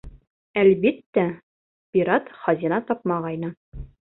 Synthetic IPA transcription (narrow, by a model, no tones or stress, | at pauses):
ælβit̪ːæ | pʲiɾɑt̪χɒzʲinɑt̪ɒp̚mɑʁɑjnɤ